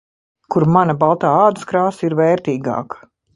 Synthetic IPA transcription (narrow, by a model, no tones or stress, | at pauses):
kuɾmanɐbalˠt̪aːaːd̪ɨskɾaːsiɾvɛːɾt̪iːɡa̰ːkɐ̥